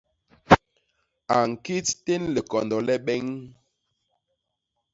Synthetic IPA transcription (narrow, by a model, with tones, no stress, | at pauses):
a˨ŋ̩˨ki˦tte˦nle˨kɔ˨ndɔ˨lɛ˦ɓɛ˦ŋ